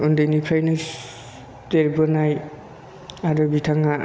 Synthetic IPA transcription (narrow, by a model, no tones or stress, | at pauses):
undɯjnipʰɾajnɯs | teɾbɔnaj | aɾɔbitʰaŋa